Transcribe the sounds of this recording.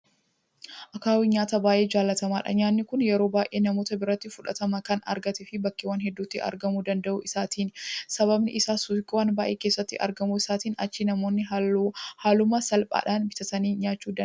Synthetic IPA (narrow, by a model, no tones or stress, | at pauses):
ʔɐkaːwiɲaːt̪ɐbaːʔe̞ːd͡ʒaːlːɐt̪ɐmaːᶑɐ̰ɲaːnːɪkʊnjɛɾo̞ːbaːjʔeːnɐmo̞ːt̪ɐbɪɾɐt̪ːɪfʊᶑɐ̰t̪ɐmɐkɐnɐ̰ɾɡɐt̪ɪfɪbɐkːɪwaːnɦɛd̪ːuːt̪ːɪɐ̰ɾɡɐmuːd̪ɐnd̪ɐʔʊ̰ʔɪsaːt̪iːnsɐβɐbnɪʔɪsaːsukʼːɪwaːnbaːʔeːke̞ːsːɐt̪ːɪ̰ʔɐ̰ɾɡɐmuɪsaːt̪iːnɐ̰t͡ʃːinɐmo̞ːnːɪ | haːlʊmɐsɐlpʼa̰ːᶑaːnbɪt̪ɐt̪ɐniːɲaːt͡ʃːuːd̪